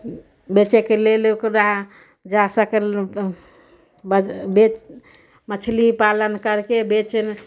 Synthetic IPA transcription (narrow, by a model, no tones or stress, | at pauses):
bet͡ʃekelelokɾaɦ | d͡ʒasəkeɾ | bbet͡ʃ | mət͡ʃʰlipalənkəɾkebet͡ʃən